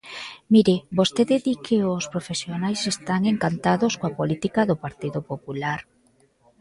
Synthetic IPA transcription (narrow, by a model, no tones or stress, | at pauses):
miɾɪbost̪eðɪðikʰeospɾofesjonajsest̪aŋeŋkant̪aðoskoapolit̪ikaðʊpaɾt̪iðopopulaɾ